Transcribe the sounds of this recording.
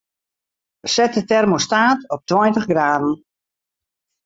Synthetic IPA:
sɛtətɛrmostaːtɔp̚twɔjntəχɡraːdn̩

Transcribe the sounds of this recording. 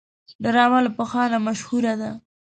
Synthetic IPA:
ɖaɾɑmalpəxɑnamaʃhuɾad̪a

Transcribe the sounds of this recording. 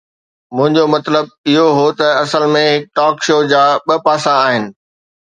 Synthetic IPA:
mʊ̃ɦɪ̃ɲd͡ʑomɐt̪ləb̚ɪɦoɦot̪ɐɐsəlmẽɦɪk̚ʈɔːkʃoːd͡ʑaːɓɐpaːsãːɦɪnɪ̆

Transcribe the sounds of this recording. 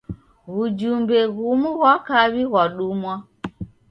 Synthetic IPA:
ɣud͡ʒumbɛɣumuɣwakaβiɣwaɗumwa

